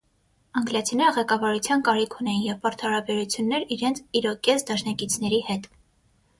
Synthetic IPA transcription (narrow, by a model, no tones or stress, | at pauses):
ɑŋɡljɑt͡sʰinɛɾəʁɛkɑvɑɾut͡sʰjɑnkɑɾikʰunɛjinjɛvpɑɾt̪ʰhɑɾɑbɛɾut͡sʰjunːɛɾiɾɛnt͡sʰiɾɔkɛsd̪ɑʃnɑkit͡sʰn̪ɛɾihɛt̪